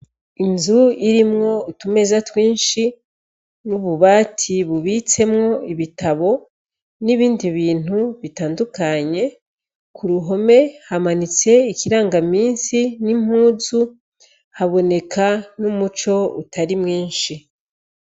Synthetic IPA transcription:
inzuiɾimŋo̞utume̞zatwiːnʃi | nuβuβaːtʰiβuβit͡se̞mŋo̞iβitaβo̞ | niβiːndiβiːn̥huβitaːndukaɲe̞ | kʰuɾuɦo̞me̞hamanit͡se̞ikiɾaːŋɡamiːnsinim̥huːzu | haβo̞ne̞kʰanumut͡ʃo̞utʰaɾimŋiːnʃi

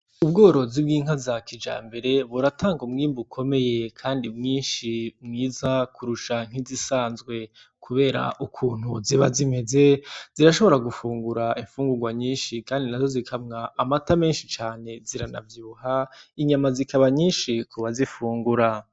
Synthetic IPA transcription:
ub̚ɡo̞ːɾo̞zib̚ɡiːŋɦazakʰid͡ʒa̰ːmbe̞ɾe̞βuɾatʰaːŋɡumŋiːmbukʰo̞me̞je̞kʰaːndimŋiːnʃimŋiːzakʰuɾuʃaŋ̥izisaːnzɡwe̞ | kʰuβe̞ːɾa̰ʔukʰuːn̥huziβazime̞ze̞z̥iɾaʃo̞βo̞ɾaɡufuːŋɡuɾaiɱfuːŋɡuɡwaɲiːnʃikaːndinazo̞zikʰabŋaːmatame̞ːnʃit͡ʃaːne̞ziɾana̰vjuːɦaiɲamazikʰaβaɲiːnʃikʰuβazifuːŋɡuɾa

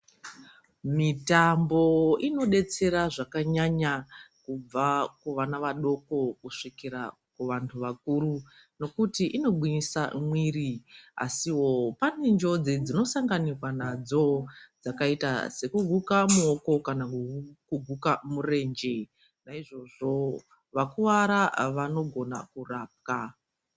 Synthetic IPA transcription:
mitambo̞ino̞ɗe̞t͡se̞ɾaʐakaɲaɲakub͡vakuʋanaʋaɗo̞ko̞kuʂikiɾa | kuʋantʰuʋak̚uːɾu | no̞kutiʔino̞ɓwinisamwiria̰siwo̞pane̞nd͡ʒo̞d͡zed͡zino̞saŋɡanikwanad͡zo̞d͡zakaita̰se̞kuɡʱukamuoko̞kanakuɡʱukamure̞ːnd͡ʒe̞ | naiʐo̞ʐo̞ | ʋakuʋaɾaʋano̞ɡʱo̞na̰kuraːp̚ka

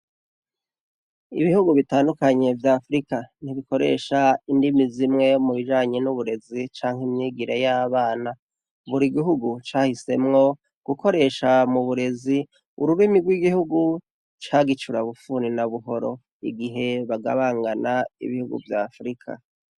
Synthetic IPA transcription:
ḭβihuɡuβitaːndukaɲe̞vjaːfɾikan̥iβiko̞ɾe̞̰ːʃaindimizimŋe̞muβiʒaːɲenuβuɾe̞zit͡ʃaːŋ̥himɲiːɡiɾejaːβaːna | βuɾiɡiɦuɡut͡ʃaːhise̞mŋo̞ | ɡ̥ukʰo̞ɾe̞ːʃamuβuɾe̞zi | ṵɾuβimiɡwiɡihuɡu | t͡ʃaːɡit͡ʃuɾaβufuːninaβuɦo̞ɾo̞̰ | ḭɡiɦe̞βaɡa̰βaːŋɡanaḭβihuɡṵvjaːfɾikʰa̰

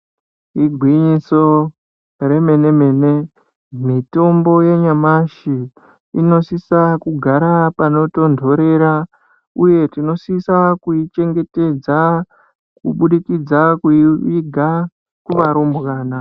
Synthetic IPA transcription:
iɡʱwiɲiso̞ | re̞me̞ne̞me̞ːne̞ | mito̞mbo̞je̞ɲamaʃi | ino̞sisakuɡʱaɾapano̞to̞ndʱo̞ɾe̞ɾa | uje̞tino̞sisakuit͡ʃe̞ŋɡe̞te̞d͡za | kuɓuɗikid͡zakuiʋiɡʱa | kuʋaɾombɣaːna

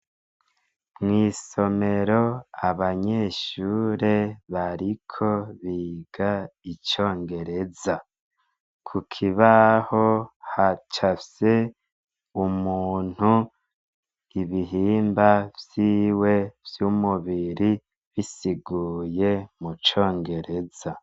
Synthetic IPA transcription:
mŋiːso̞me̞ɾo̞aβaɲe̞ːʃuːɾe̞βaɾikʰo̞βiːɡ̥ait͡ʃo̞ːŋɡe̞ɾe̞za | kʰukʰiβaho̞hat͡ʃafse̞ | umuːn̥hu | iβiɦiːmbavjiːwe̞v̥jumuβiɾi | βisiɡuːje̞mut͡ʃo̞ːŋɡe̞ɾe̞z̥a

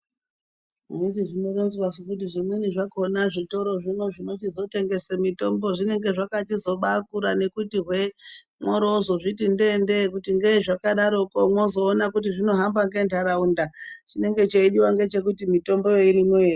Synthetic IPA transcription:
witiʐinoronzwasekut̬iʐimweniʐakonaʐito̞ɾo̞ʐino̞ʐino̞tizo̞te̞ŋɡe̞semito̞mbo̞ʐine̞ŋɡe̞ʐakatizo̞ɓakuɾane̞kutiɦwe̞ | mwoɾozoʐitindende̞k̬utiŋɡe̞ʐakaɗaɾo̞komwozo̞ːnakut̬iʐino̞ɦambaŋɡe̞ntʰaɾaundat͡ʃine̞ŋɡe̞t͡ʃeiɗiwaŋɡe̞t͡ʃe̞k̬utimito̞mbo̞jo̞iɾimoeː

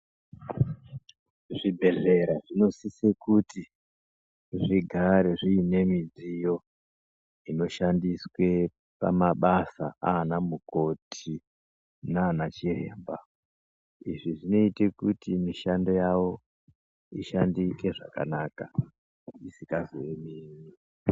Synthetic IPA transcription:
ʐibʱe̞ɮe̞ɾaʐino̞sisekuti | ʐiɡʱaɾeʐiine̞mid͡zijo̞ | ino̞ʃandiswe̞ | pa̰maɓasa̰aːnamuko̞tʰi | naːnat͡ʃirḛːmba | iʐiʐino̞itekutimiʃando̞jawo̞ | iʃandike̞ʐaka̰naːka | isikazo̰jemini

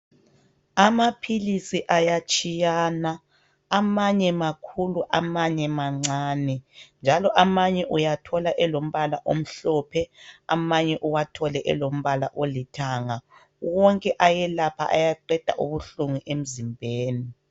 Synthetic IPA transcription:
amapʰilisiʔajat͡ʃʼijanaː | maɲɛmakʰuluʔamaɲɛmaŋ͡ǀaːnɛnd͡ʒʱalɔʔamaɲɛʔujatʰɔlaʔɛlom̩βalaʔom̩ɬɔːpʰɛamaɲɛʔuwatʰɔlɛʔɛlom̩βalaʔolitʰaːŋa | wɔŋkʼɛʔajɛlapʰa̰ʔajaǀɛd̥ʱa̰ʔuβuɬuŋuʔem̩zimbʱeːni

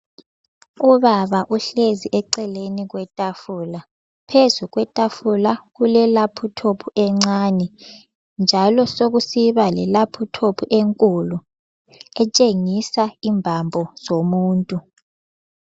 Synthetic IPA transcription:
uβaβaʔuɬeziʔɛǀɛleniɣwɛtʼafula | pʰezuɣwɛtʼafulaɣulɛlapʰutʰopʰuʔɛŋ͡ǀanɛ | nd͡ʒʱalɔsoɣusiβalɛlapʰutʰopʰuʔeŋkʼulu | ɛt͡ʃʼeŋisaimbʱambʱɔz̥omuːntʼu

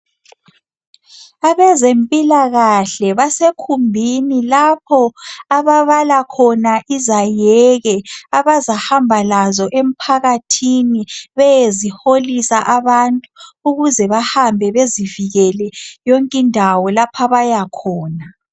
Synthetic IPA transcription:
aβɛzempʼilaɣaɬɛβasekʰumbʱinilapʰɔaβaβalakʰɔnaʔizajɛɣɛaβazahambʱalazɔʔem̩pʰaɣatʰiniβɛjeziholisaʔaβantʼuuɣuzɛβahambʱɛβeziviɣɛlɛjɔŋkʼindʱawɔlapʰaβajakʰɔːna

